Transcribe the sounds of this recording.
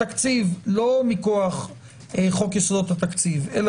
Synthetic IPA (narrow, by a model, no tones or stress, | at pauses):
akt͡sivlo̞mikoaχ | eχo̞kjesod̪ot̪hat̪akt͡sivel